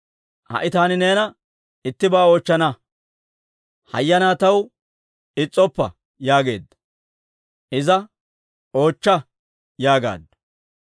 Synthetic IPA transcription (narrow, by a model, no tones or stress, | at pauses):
hɐ̰ʔɪt̪aːnɪne̞ːnɐ | ɪt̪ːɪbaːo̞ːt͡ʃːɐnɐ | hɐ̰jːɐnaːt̪ɐw | ɪt͡sʼːɔpːɐ̰ | jaːɡe̞̰ːd̪ːɐ̥ | ʔɪzɐ | o̞ːt͡ʃːɐ | jaːɡa̰ːd̪ːɐ